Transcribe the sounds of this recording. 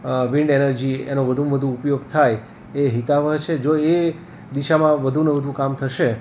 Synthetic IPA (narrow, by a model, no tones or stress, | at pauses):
ʋiɳɖenəɾd͡ʒiḛnoʋəd̪ʱuʋəd̪ʱũːpjoɡt̪ʰaj | eɦit̪aʋəɦt͡ʃʰed͡ʒoe | d̪iʃamãʋəd̪ʱunəʋəd̪ʱũkamt̪ʰəʃe